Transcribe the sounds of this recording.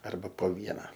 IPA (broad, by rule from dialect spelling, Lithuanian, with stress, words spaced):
ˈɐrbɐ poː ˈʋʲiɛnɐ